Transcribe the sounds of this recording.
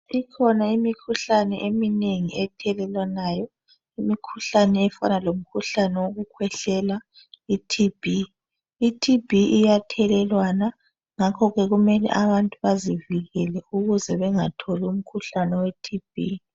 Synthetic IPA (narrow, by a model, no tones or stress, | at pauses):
ikʰɔnaimikʰuɬanɛʔemineŋiɛtʰɛlɛlwanaːjɔ | imikʰuɬanɛɛfa̰nalom̩kʰuɬanɛwoɣukʰwɛɬɛla | itʰib̥ʱiː | tʰib̥ʱiʔijatʰɛlɛlwana | ŋakʰɔɣɛɣumɛlɛ̰ʔaβantʼuβaziviɣɛlɛuɣuzɛβɛŋatʰɔlum̩kʰuɬanɛwetʰib̥ʱi